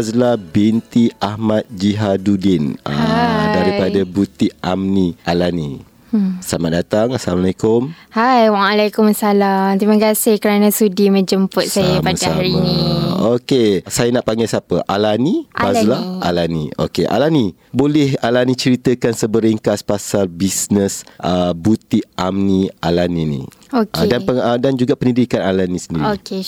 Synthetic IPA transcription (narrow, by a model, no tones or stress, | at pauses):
azlabint̪iahmat̪̚d͡ʒiɦadudɪnə̰adaɾipadabut̪iʔamniʔalani | samat̪̚dat̪aŋasalamalajkʊmhajwaalajkʊmasalamt̪imãkasɪhkəɾanãsudimə̃d͡ʒəmpʊt̪̚sajapasaɾimniokesajənaʔpaŋɡajsapəʔalanĩmazəlaa̰lanḭ̃o̰keʔa̰lani | bolɛhalanĩt͡ʃəɾit̪əkansəbəɾiŋkaspasalbisnəsʔəbut̪iʔamnialaninḭ̃ | okadanpəədand͡ʒuɡapənidikanalanĩsəndiɾoike